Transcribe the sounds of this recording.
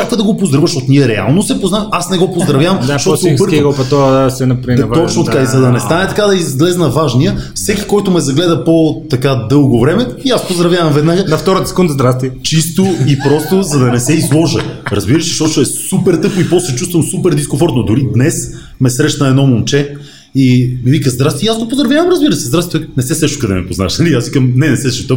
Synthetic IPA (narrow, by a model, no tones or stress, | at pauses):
akvəd̪ɐɡopozd̪ɾɐvəʃot̪nʲiɛɾɛa̰lˠnosɛpoznaasnɛɡɔpozd̪ɾɐvjavɐmʃt̪ɔt̪opɤɾvɡlpɐt̪ɔsɛnɐpɾat̪ɔt͡ʃnot̪ɐkaizɐd̪ɐnɛst̪anɛt̪ɐkad̪ɐizɡlɛznɐvaʒnijəfsɛkʲi̥kɔjt̪ʊmɛzɐɡlɛd̪əpot̪ɐkad̪ɤlˠɡovɾɛmɛiaspozd̪ɾɐvjavɐmvɛd̪naɡənɐft̪ɔɾət̪ə̥sɛ̥kund̪əzd̪ɾast̪it͡ʃist̪oipɾɔst̪ʊzɐd̪ɐnɛsɛizlˠɔʒəɾɐzbiɾəʃi̥ʃɔt͡ʃoɛsupɛɾt̪ɤpʊipɔst̪lɛt͡ʃust̪vənsupɛɾd̪iskõɱfɔɾt̪nʊd̪ʊɾid̪nɛs | mɛsɾɛʃnəɛd̪nɔmont͡ʃɛ | imivikəzd̪ɾasiijazɡopozd̪ɾɐvjavɐmɾɐzbiɾəsɛzd̪ɾast̪ɛnɛsɛsɛʃt̪kɐd̪ɛ̰nɛ̰pozna̰ʃnɐliasvikəmnɛnɛsɛsɛʃt̪əp